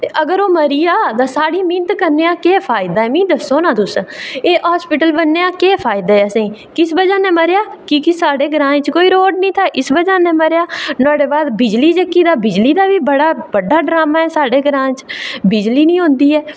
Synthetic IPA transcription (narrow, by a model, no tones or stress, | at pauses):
t̪eːʔəɡəɾoːməɾiːjaːt̪ãːsaːɽiːmɪ̃nt̪kəɾneːãːkeːpʰaːɪd̪aːɛːmĩːd̪əsːoːnãːt̪ʊseːʔaːspɪʈəlbənːeːãːkeːpʰaːɪd̪aːɛːəsẽː | kɪsbəd͡ʒaːnẽːməɾejaːkɪkɪsaːɖeːɡɾãːt͡ʃkoːiːɾoːɖ̚nĩːt̪ʰaːʔɪsbəd͡ʒaːnẽːməɾjaːnʊãːɖeːbaːd̪bɪd͡ʒliːd͡ʒəkːiːd̪aːbɪd͡ʒliːd̪aːbiːbəɽaːbəɖaːɖɾaːmãːɛːsaːɖeːɡəɾãːt͡ʃbɪd͡ʒliːnĩːɦʊ̃ːnd̪iːɛː